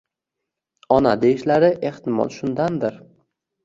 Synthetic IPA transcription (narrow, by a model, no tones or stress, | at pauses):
ɒnad̪eɪʃlaɾɪʔe̞ht̪ɪmɒ̰nʃʊnd̪and̪ɪɾ